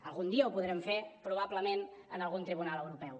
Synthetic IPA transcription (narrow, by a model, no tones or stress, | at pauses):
əlˠɣund̪iəupuðɾɛmfepɾuβabləmenənəlˠɣunt̪ɾiβunaləwɾupɛw